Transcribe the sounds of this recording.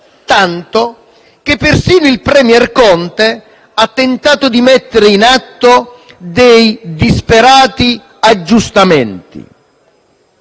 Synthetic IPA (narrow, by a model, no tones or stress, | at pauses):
t̪ant̪o | k̟epːersiːnoilpɾɛmjɛrkɔnt̪e | at̪ːent̪aːt̪ʊd̪imɛt̪ːeɾeinat̪ːo | d̪ejd̪ispeɾaːt̪i | ad͡ʒːust̪ament̪ḭ